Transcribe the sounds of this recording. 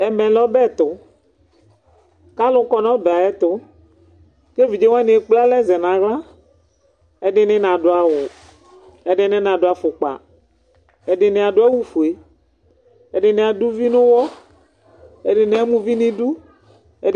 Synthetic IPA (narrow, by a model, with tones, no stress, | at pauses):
ɛ˨mɛ̃˨lɔ˦bɛ˦˨t̪ʊ˨ | ka˦lʊ˦kɔ˦nɔ̃˦ba˨ɛ˦t̪ʊ˨˦ | ke˦vi˨d͡ʒe˦wã˦nĩ˨e˦k͡pla˦lɛ˦zɛ˨nã˨ɣla˦ | e˦ɖɪ˦nɪ̃˦nã˨ɖʊ˨a˨wʊ˨ | e˨ɖɪ˦nẽ˦nã˨ɖo˨a˨fʊ˨k͡pa̰˨ | e˨ɖɪ˨ne˨a˨ɖo˦a˦wu˦fu˨e˨ | e˨ɖɪ˨ne˨a˨du˦vi˦nʊ̃˦wɔ˦ | e˨ɖɪ˨ne˦a˦mũ˦vi˦nĩ˦ɖu˦ | e˦